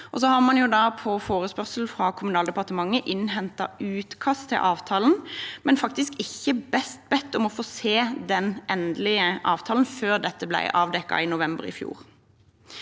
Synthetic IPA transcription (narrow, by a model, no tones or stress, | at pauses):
ʔɔsɔhɑʁmɑnjʊd̪ɑːpʰɔfoːʁəspœʁsl̩fʁɑkʰʊmʉnɑːld̪ɛpɑʁt̪əmɑŋːəʔɪnɦɛnt̪ɑ̰ʉːt̪kʰɑst̪ʰːɪ̰lʔɑːʋt̪ʰɑːln̩mɛnfɑkt̪ɪskɪçːəbɛst̪̚bɛt̪ːɔmɔfoːseːd̪ɛnɛnd̪lɪəʔɑːʋt̪ʰɑːln̩føːʁd̪ɛt̪ːəblæ̰ɪʔɑːʋd̪ɛkːɑ̰ɪnʊʋɛmbə̰ʁɪ̰fjṵːʁ